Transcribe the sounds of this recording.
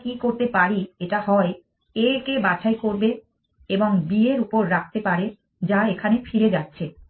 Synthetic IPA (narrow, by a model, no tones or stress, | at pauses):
kikoɾt̪epaɽieʈahɔe | ekebat͡ɕʰaekoɾbe | eboŋbieɾupoɾːak̚ʰt̪epaɾe | d͡ʑaekʰanefiɾed͡ʑatːɕʰe